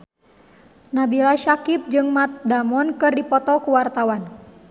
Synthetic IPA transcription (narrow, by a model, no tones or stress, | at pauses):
nabilaʃakip̚d͡ʒɨŋmat̪̚damɔnkɨrdipɔt̪ɔkuwart̪awan